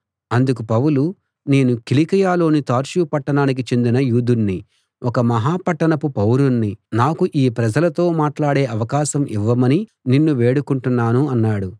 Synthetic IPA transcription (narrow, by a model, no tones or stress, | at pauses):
ɐnd̪uk̬upɐwulu | ne̞ːnukilikɐjaːlo̞ːnit̪aːɾʃuːpɐʈːɐɳaːnik̬it͡ʃe̞nd̪inɐjuːd̪unːi | wʔɔkɐmɐɦaːpɐʈːɐɳɐpupɐwɾunːinaːkuʔiːpɾɐd͡ʒɐlɐt̪o̞ːmaːʈlaːɽe̞ːʔɐʋɐkaːʃɐmʔiʋːɐmɐni | ninːuʋeːɽukuɳʈunːaːnuɐnːaːɽu